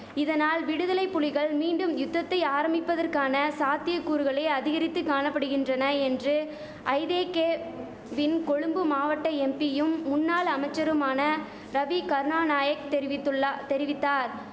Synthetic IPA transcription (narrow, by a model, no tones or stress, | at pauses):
ɪðɐnaːlʋɪɽɯðɐlɐɪpːʊlɪɣɐɭmiːɳɖɯmjʊt̪ːɐt̪ːɐɪaːɾɐmbɪpːɐðɐrkaːnɐsaːt̪ɪjɐkːuːɾɯɣɐɭeːɐðɪɣɐɾɪt̪ːɯkːaːnɐpːɐɽɯɣɪndrɐnɐɛndrɯ | ʔɐɪðeːkeː | ʋɪnkɔɻɯmbɯmaːʋɐʈːɐɛmpɪjɯmːʊnːaːɭɐmɐɪt͡ʃːɐɾɯmaːnɐ | ɾɐʋikɐɾnaːnaːjɐkt̪ɛɾɪʋɪt̪ːt̪ɛɾɪʋɪt̪ːaːɾ